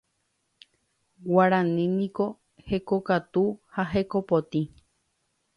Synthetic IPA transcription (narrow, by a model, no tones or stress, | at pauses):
waɾãnĩnĩko̞ | hekokat̪uhaɦekopot̪ĩ